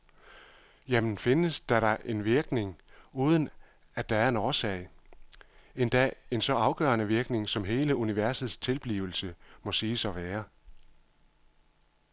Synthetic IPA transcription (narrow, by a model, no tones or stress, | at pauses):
jemn̩fe̝nəsd̥æɾɑ̈ʔe̝nʋiɐɡ̥ne̝ŋuːð̞ˠn̩ | æd̥æ̈æɐe̝nɒːsɛ̰ɪ | e̝nd̥æe̝nsɒ̽ɑ̈ʊɡ̥ɶ̰ːɐnəʋiɐɡ̥ne̝ŋsɒ̽mɦe̝ːləuniʋæɐsð̞̩ˠst͡sʰe̝lb̥lḭːʊl̩səmɒ̽siːsɒ̽ʋæːɐ